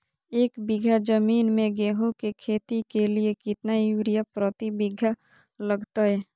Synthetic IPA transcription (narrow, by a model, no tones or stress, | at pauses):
eːkbɪɡʱad͡ʒəmiːnmẽɡeːɦũkekʰeːt̪ikeliekɪt̪najuːɾijapɾət̪ibɪɡʱa | ləɡt̪aɦɛː